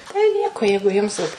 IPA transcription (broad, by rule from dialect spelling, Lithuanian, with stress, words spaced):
tɐɪ ˈnʲiɛkoː ˈjɛɪɡʊ jʊms ˈʋɐt